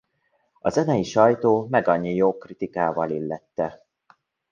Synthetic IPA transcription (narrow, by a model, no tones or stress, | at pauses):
ɒzɛnɛjiʃɒjt̪oːmɛɡɒɲːijoːkrit̪ikaːvɒlilːɛt̪ːɛ